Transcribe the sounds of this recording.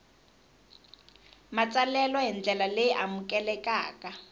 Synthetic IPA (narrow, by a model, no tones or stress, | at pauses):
mat͡sʼalɛlɔɦind͡ɮɛlalejiʔamukʼɛlɛkʼaːka